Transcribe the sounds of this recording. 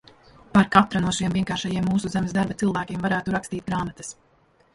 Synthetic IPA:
paɾkat̪ɾanuɔʃiɛmviɛŋkaːɾʃajiɛmːuːsuzæmɛsd̪aɾbat̪silˠvæːkʲiɛmvaɾæːt̪uɾakst̪iːt̪̚ɡɾaːmat̪ɐ̥s

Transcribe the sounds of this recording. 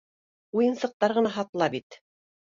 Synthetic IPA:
ujɤ̆nsɤ̆q̚t̪ɑɾʁɤ̆nɑɦɑt̪lˠɑbit̪

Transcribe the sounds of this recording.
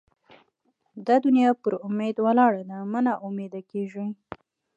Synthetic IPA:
d̪ad̪ʊnjɑpəɾʊmed̪walɑɽad̪amənaʔʊmed̪akeʒi

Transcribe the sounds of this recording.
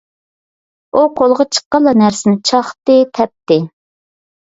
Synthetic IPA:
uqʰolˠʁɑt͡ʃʰə̥qːəlˠːɑnæɾsɪnɪt͡ʃʰɑχt̪ɨt̪ʰɛp̚t̪ɪ

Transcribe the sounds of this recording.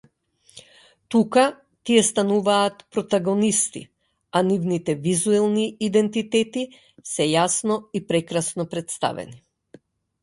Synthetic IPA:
t̪uka | t̪iɛst̪anuvaːt̪pɾɔt̪aɡɔnist̪ḭ | anivnit̪ɛvizuɛlˠniːd̪ɛnt̪it̪ɛt̪i | sɛjasnɔipɾɛkɾasnɔpɾɛt̪st̪a̰vɛ̰ni

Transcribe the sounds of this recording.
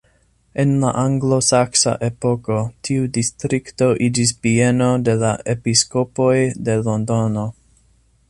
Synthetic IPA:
e̞nlaʔaŋɡlo̞saksa̰ʔe̞po̞ko̞tʰiudistɾikto̞ʔid͡ʒis̬bie̞no̞de̞laʔe̞pisko̞po̞jde̞lo̞ndono̞

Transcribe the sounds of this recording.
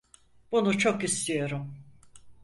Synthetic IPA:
b̥unut͡ʃʰo̞kist̪ʰijo̞ɾum

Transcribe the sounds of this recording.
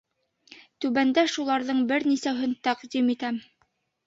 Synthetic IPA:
t̪ʉβænd̪æʃulˠɑɾðɤɴbɘɾnisæɦɵnt̪æqd̪imit̪æm

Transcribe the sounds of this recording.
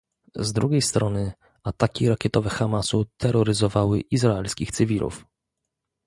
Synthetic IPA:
zd̪ɾuɡʲejst̪ɾɔnɘ | at̪akʲiɾakʲɛt̪ɔvɛxamasut̪ʰɛɾɔɾɘzɔvawɘʔizɾaɛlskʲixt̪sɘvʲilʔṵf

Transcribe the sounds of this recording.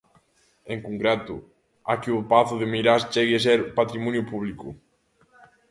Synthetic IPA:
eŋkuŋkɾet̪ʊ | a̰kiʊpaθʊðemiɾast͡ʃɛɣes̬ɛɾpat̪ɾimɔnjʊpuβlikʊ

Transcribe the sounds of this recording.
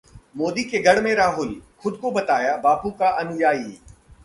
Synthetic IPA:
moːd̪ikeɡʱɐɽmẽɾaːɦʊlxʊd̪ʱkobɐt̪aːjabaːbukaʔɐnʊjaːi

